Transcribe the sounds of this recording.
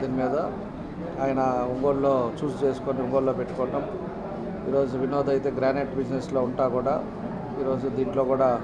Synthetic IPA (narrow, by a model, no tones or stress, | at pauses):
d̪inimiːd̪ɐ | aːjɐnɐuŋɡoːɽlo̞ːt͡ʃuːst͡ʃe̞ːsu̥koːniuŋɡoːllo̞ːpeʈːu̥kɔːʈɐm | ḭːɾo̞ːd͡ʒuʋinoːd̪ɐjt̪e̞ːɡɾaːneʈbid͡ʒneslo̞ːuɳʈaːkuːɽaː | iːɾo̞ːd͡ʒud̪iːɳʈlo̞ːkuːɽaː